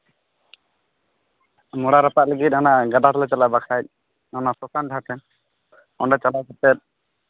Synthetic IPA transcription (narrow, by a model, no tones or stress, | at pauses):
mɔɽaɾapat̪̚ləɡit̪̚ˀnanaɡad̪at̪ɔlɛt͡ʃalajbakʰajt̪̚ˀ | nanasɔsanɖʱat̪ʰɛn | ɔɳɖat͡ʃalajkɔt̪ɛt̪̚ˀ